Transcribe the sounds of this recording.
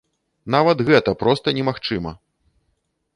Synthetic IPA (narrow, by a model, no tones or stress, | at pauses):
n̪avɐt̪ɣɛt̪ɐpɾɔst̪ɐnʲɛmaxt͡ʂɨmɐ̰